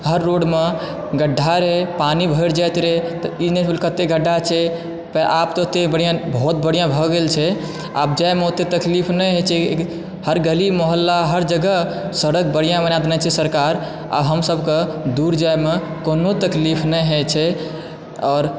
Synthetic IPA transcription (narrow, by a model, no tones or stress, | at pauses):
ɦəɾːoɽme | ɡəɖʱːaɾepanibʱəɪɾd͡ʒat̪ɾet̪ineelkət̪eɡʱəɖːat͡ʃʰɛ | pʔapt̪ot̪ebəɽjãbʱut̪̚bəɽijãbʱɔɡelt͡ʃʰɛ | a̰b̚d͡ʒajmeot̪et̪əklipʰnɛɦet͡ʃʰɛ | həɾɡəlimoɦəlːaɦəɾd͡ʒəɡə | səɾək̚bəɽ̤ijãbənad̪enɛt͡ʃʰɛsəɾkaɾ | a̰bɦəmsəbked̪uɾd͡ʒajme | konot̪əklipʰnɛjɦet͡ʃʰɛ | ɔːɾ